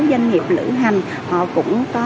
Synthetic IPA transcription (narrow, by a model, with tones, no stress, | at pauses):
za˧jŋŋi˨˩əp̚lɨ̰˧˥ɦa˨˩jŋ̟ | hɔ̰˧˨kʊ̰˧˥ŋ͡mkɔ˨˦